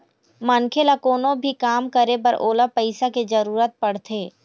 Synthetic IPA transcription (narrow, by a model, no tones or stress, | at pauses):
mɐnkʰelakoːnõbʱikaːmkəɾepɐɾʔoːlapɐɪsaked͡ʒɐɾuːɾət̪̚pɐɽ̤t̪ʰeː